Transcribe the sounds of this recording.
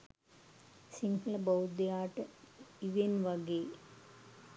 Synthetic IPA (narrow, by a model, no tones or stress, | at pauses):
siŋɡɐlɐbɐwd̪jaːʈːɨiʋenʋɐɡe